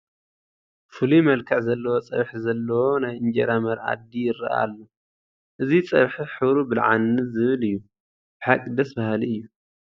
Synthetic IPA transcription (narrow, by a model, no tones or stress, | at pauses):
fɨlimɐlkʰɐʕzɐlːɐwot͡sʼɐ̰βħizɐlːɐwo̞najɨnd͡ʒɛ̰ɾamɐɾa̰d̪ijɪɾɐ̰ʔa̰lːo | ʔɨzit͡sʼɐ̰βħiħɨβɾubɨlʕanːɨzɨβɨlɨjːu | b̥ɨħakʼːid̪ɐsbahliɨjːu